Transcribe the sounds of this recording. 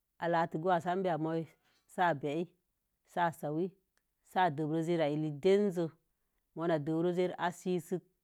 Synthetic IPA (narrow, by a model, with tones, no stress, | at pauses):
a˨la˨ti˨ɡu˦wa˨sa˦mbi˦a˨mo˦i˦ | sa˦˨be˨i˦ | sa˦˨sa˨wi˦ | sa˦˨də˨bɾo˦ze˦ɾa˨i˨li˨de˦n˦zə˦ | mo˨˦na˨də˨bɾo˦ze˦ɾa̰˦si˦sɨ˦k̚